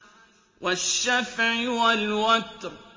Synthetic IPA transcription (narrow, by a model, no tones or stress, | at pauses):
waʃːafʕiwalwat̪ˤɾ